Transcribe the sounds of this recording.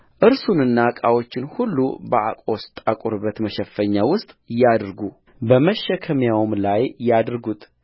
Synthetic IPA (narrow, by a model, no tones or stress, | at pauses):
ʔɨɾsunɨnːakʼawo̞t͡ʃːɪnhulːṵbəʔa̰kʼo̞st̪ʼakʼuɾbət̪məʃəfːəɲːawʊst̪ʼjad̪ɾɡu | bəməʃɛkʰəmjawmlajjad̪ɾɡut̪ʼ